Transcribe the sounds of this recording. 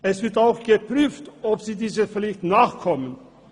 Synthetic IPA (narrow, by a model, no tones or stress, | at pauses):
ɛsv̥ɪɐtaʊxɡ̥əpʁyːftʔɔpz̥iːdiːzəflɪçtnaːχkʰɔmən